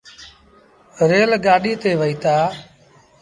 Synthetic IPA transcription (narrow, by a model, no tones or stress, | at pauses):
ɾeːlɠaːɗiːt̪eːʋəiːt̪aː